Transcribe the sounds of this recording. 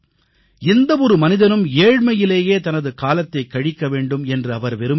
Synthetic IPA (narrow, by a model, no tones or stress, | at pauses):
ɪnd̪ɐʋɔɾɯmɐnɪðɐnɯmeːɻmɐjɪleːjeːt̪ɐnɐðɯkaːlɐt̪ːɐɪkːɐɻɪkːɐʋeːɳɖɯmɛndrɯɐʋɐɾʋɛɾɯ